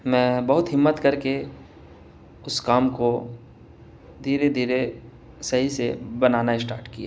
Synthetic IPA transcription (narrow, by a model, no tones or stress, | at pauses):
mɛ̃ːbɐɦʊt̪ɦɪmːət̪kɐɾke | ʊskaːmko | d̪ʱiːɾed̪ʱiːɾe | sɐɦisebɐnaːnaɪsʈaːɾʈkija̰ː